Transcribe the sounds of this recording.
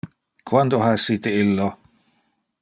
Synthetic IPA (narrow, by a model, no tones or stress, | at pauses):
kʰwand̪oɦaɛsiːt̪eilːo